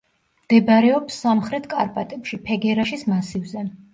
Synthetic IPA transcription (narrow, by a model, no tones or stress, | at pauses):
md̪̥ɛbaɾɛɔpsːamχɾɛt̪ʰkʼa̰ɾpʼat̪ʼɛpʃipʰɛɡɛɾaʃismasivzɛ